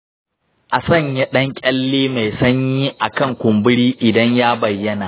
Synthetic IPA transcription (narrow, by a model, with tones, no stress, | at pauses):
ʔa˨sɐ˦˨ɲjɐ˦ɗɐ˦ŋkʲʼɐ˦lːeː˦ma˨jsɐ˦ɲjiː˦ʔa˨kɐ˦˨ŋkʷʊ˨mbɪ˦ɽiː˦ʔɪ˨dɐ˦ɲjaː˦bɐ˨jːɐ˦naː˨ʔ